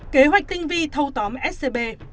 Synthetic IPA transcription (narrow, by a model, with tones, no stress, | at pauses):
ke˨˦ɦwa˨˩jk̟̚t̪i˧ŋvi˧t̪ʰə˧wt̪ə˨˦mʔɛ˦˥t̚se˧ɓe˧